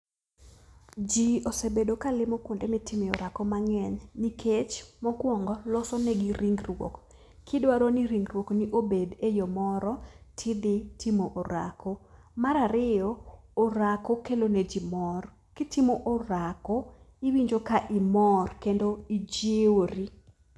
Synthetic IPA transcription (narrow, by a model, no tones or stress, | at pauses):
d͡ʒiosebedokalɪmokwondemɪtʰɪmɪoɾakɔmaŋɛɲnikʰet͡ʃmɔɡwɔŋɡɔlɔsɔnɛɡiɾiŋɡrwo̰k | kʰɪdwaɾoniɾiŋɡrwokniʔobedejomɔɾɔtʰɪd̪ɪtimoʔoɾa̰ko | maɾaɾɪjɔːɾakokeloned͡ʒimɔr | kɪtimoʔoɾako | ɪwiɲd͡ʒokaʔɪmɔrkendoid͡ʒeoɾi